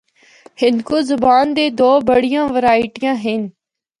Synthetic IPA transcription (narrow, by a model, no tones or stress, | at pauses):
hɪnkoːzʊbaːnd̪eːd̪oːbəɽɪjãːʋəɾaːɪʈijãːɦɪn